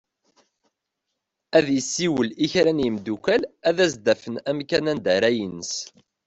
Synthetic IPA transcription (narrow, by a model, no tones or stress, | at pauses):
æðjəsːiwəliçɾænjimd̪ukælæðæzd̪æfənæmkænænd̪æɾæjinəs